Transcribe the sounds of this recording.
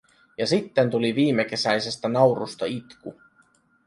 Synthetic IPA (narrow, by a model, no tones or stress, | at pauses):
jɑsit̪ːe̞nt̪uliʋiːmːe̞k̟e̞sæjse̞st̪ænɑwɾust̪ɑit̪ku